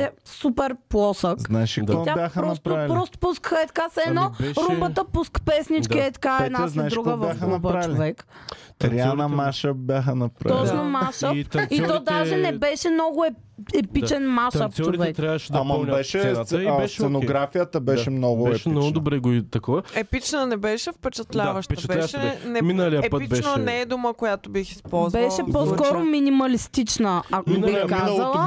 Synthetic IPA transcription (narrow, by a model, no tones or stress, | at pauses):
ɛsupɛɾplˠɔsəkznaɛʃikɔabjaxəɾɔnspɾalpːɾɔst̪o̥puskəxəɛt̪ɐ̥kasɛnɔɾumbət̪əpuskpɛsnit͡ʃkiɛt̪ɐ̥kaɛd̪nznaɛʃd̪ɾuɡkəvjaxənɐbat͡ʃliovɛkt̪ɾianəmaʃəbʲjaxənɐpɾat̪ɔt͡ʃnomaʃəfit̪ɔd̪aʒɛnɛbɛʃɛmnɔɡʊɛ | ɛpit͡ʃɛnmaʃaft͡ʃoɾivɛɛk̪ɾʲaʃɛd̪amanbɛʃɛsponoɡɾafijət̪əbɛʃɛmnɔɡʊɛʃinɔɡd̪obɾɛɡoit̪ɐkɔɐɛpit͡ʃnənɛbɛʃɛfpɛt͡ʃɛt̪lʲavəʃt̪bʃɛnɛminəliɛibnənɛːd̪ʊməkojat̪obixi̥spɔzbɛʃɛposkɔɾominimɐlist̪it͡ʃnəɐkiniikinzzɐlˠə